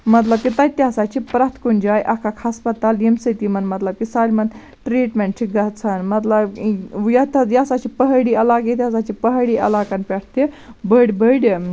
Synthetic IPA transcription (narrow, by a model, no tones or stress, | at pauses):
mɐt̪lɐb̚kit̪ɐjt̪ʲasat͡ʃʰipɾat̪ʰkunʲd͡ʒaːjʔɐkʰakʰhɐspɐt̪aːlemsət̪imɐnmɐt̪lɐb̚kisaːlʲmɐn | ʈɾiːʈmeɳʈt͡ʃʰiɡɐt͡sʰanmɐt̪lɐbjat̪ɐjasat͡ʃʰipəɦɽiɐlakit̪ʲasat͡ʃʰipəɦɽiʔɐ̰laːkanpʲɛʈʰt̪e | bəɽʲbəɽʲ